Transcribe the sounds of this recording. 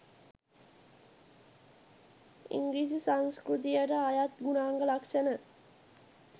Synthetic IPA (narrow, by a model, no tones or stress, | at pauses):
ḭŋɡliːsisanskɾut̪̬ijəʈəajat̪ɡunaːŋɡəlakʂənə